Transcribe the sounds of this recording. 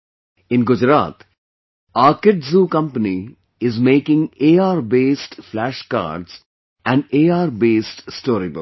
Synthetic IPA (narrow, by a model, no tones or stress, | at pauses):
ɪ̃nɡʊd͡ʒɾa̰ːt̪ | aːɾkɪʈzuːkʌ̃mpəni | ɪzmeːkɪ̃ŋeːaːɾbeːsʈflæʃka̰ːɾɖz | æ̃ɳɖeːaːɾbeːsʈsʈoːɾibʊk